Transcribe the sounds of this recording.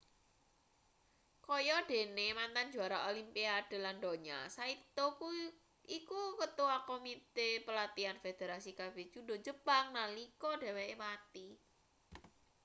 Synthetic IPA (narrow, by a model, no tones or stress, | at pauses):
kɔjɔd̥e̤nemant̪and͡ʒṳaɾaolimpiad̥e̤landoɲa̰sait̪oku | ikukət̪uwakomit̪epəlat̪ianfed̪̥eɾasikabe̥t͡ʃudo̤d͡ʒəpaŋnalikɔɖe̤wemat̪i